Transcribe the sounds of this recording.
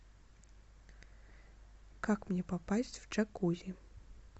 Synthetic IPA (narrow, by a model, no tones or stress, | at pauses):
kakmnʲɛpapasʲt͡sʲwt͡ʂakulʲi